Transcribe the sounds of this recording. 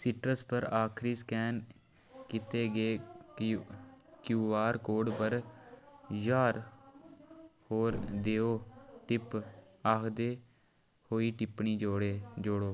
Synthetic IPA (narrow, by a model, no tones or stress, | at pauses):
sɪʈɾəspəɾaːkʰɾiːskɛːn | kɪt̪eːɡeː | kjuːʋaːɾkoːɖpəɾ | d͡ʒaːɾ | hoːɾd̪eːoːʈɪp | aːkʰd̪eː | hoːiːʈɪpɳiːd͡ʒoːɽed͡ʒoɽoː